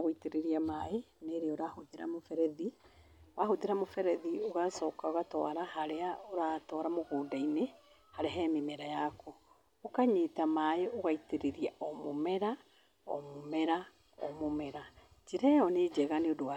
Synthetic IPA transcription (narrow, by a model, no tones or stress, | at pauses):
ɣoiteɾeɾiamaeneɾeoɾahoðeɾa̰mofɛɾɛðiowahoteɾamofɛɾɛðioɣasɔːkaoɣatɔ̰aɾahaɾeaoɾatɔɾamoɣodaine | haɾeɦɛmemɛɾajakɔ | okaɲetamaeoɣaiteɾeɾiaɔmomɛɾa | ɔ̰momɛɾa | ɔ̰momɛɾa | d͡ʒiɾɛɔned͡ʒɛɣaneodowa